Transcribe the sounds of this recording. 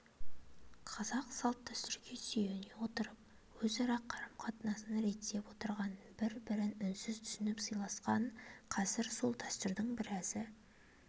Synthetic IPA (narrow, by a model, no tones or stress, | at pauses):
qʰɑzɑqsɑlˠt̪ʰːæst̪ɪɾkʲʰe̞sijenewo̞t̪əɾəp̚ | wɵzɑɾɑqʰːɑɾəmqʰɑt̪ənɑsənɑɾe̞t̪ːe̞pwo̞t̪əɾʁɑn | bɪɾbɪɾɪnʏnsɪzt̪ʰʏ̥sɪnɪpsɯjlˠɑsqɑɴqʰɑzɪɾso̞lˠt̪ʰæst̪ɪɾd̪əɴbɪɾæzɪ